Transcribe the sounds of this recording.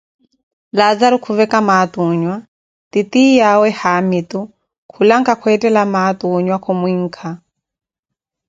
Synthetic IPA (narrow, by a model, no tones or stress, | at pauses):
lad͡zaɾukʰuvɛkamat̪uɲwa | t̪it̪ijawɛhamit̪u | kʰulaŋkakʰwɛtʼɛlamat̪uɲwakʰɔmwiŋ̩kʰa